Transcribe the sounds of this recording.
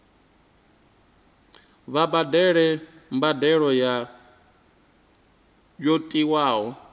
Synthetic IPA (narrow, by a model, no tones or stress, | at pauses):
βabadɛɺɛmbadɛɺɔja | d͡ʒotʼiwaːɦɔ